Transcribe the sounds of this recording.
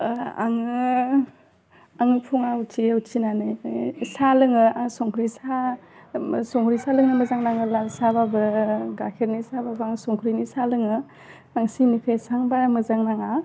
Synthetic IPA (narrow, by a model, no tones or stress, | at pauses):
a̰ŋɯ | aŋɯpʰuŋaut͡ʃiut͡ʃinanɯjsalɯŋɯaŋsɔŋkʰɾisa | sɔŋkʰɾisalɯŋnɯmɯzaŋnaŋɯlalsababɯɡakʰeɾnisababɯaŋsɔŋkʰɾinisalɯŋɯ | aŋsinikʰajsaŋbamɯzaŋnaŋa